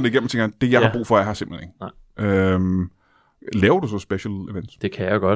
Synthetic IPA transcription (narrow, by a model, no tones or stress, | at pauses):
deiɡ̥enm̩ːt͡sʰeŋɐjad̥e̝jɑ̈ɪhɑbʁṵːfɒ̽jɑ̈ɪhɑ̈semb̥l̥eneɡ | øm | lɛːʊɐd̥usɒ̽sb̥eɕəleʋen̰d̥sd̥e̝kʰæjaɡ̥ɒ